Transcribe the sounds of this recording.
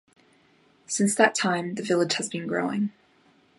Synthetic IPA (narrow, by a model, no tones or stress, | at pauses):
sɪ̃nsðətʰãɪ̃mðɨvɪlˠɪʒ̥həzbɨ̃nɡɹo̰ʊɪ̰̃ŋ